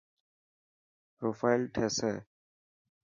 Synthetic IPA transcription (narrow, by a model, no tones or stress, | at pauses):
pɾoːfaːɪlʈʰeːseː